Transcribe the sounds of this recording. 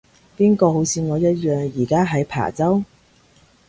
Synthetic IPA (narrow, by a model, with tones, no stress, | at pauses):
piː˥nkɔː˧ɦo˨˥wt͡sʰiː˧ŋɔː˨˧jɐ˥t̚jœː˨ŋjiː˨˩kaː˥ɦɐ˨˥jpʰa̰ː˨˩t͡sɐ˥w